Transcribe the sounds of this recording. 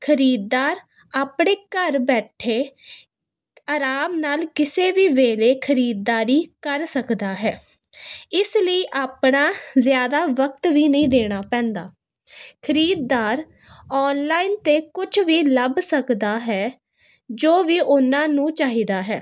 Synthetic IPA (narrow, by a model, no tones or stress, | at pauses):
kʰəɾiːd̪̚ːaːɾ | aːpɳeːkəɾbɛːʈʰeː | aːɾaːmnaːlkɪseːʋiːʋeːleːkʰəɾiːd̪̚ːaːɾiːkəɾsəkd̪aːɦɛː | ɪsləiːʔaːpɳaːzjaːd̪aːʋək̚t̪ʋiːnəĩːd̪eːɽ̃aːpɛ̃ːnd̪aː | kʰəɾiːd̪̚ːaːɾ | ɔːnlaːiːnt̪eːkʊt͡ʃʰʋiːləbsəkd̪aːɦɛː | d͡ʒoːʋiːʔʊnãːnũːt͡ʃaːɦiːd̪aːɦɛː